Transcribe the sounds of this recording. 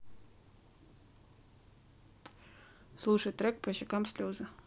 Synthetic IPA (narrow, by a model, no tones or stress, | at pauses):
slˠuʂəjt̪ɾɛk̚pɐɕɪkamsʲlʲozə